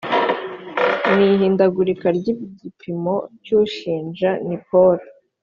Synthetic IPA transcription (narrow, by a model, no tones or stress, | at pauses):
niɦiːndaɡuɾikaɾɟibɟipʰimo̞cuːʃiːnd͡ʒanipoɾa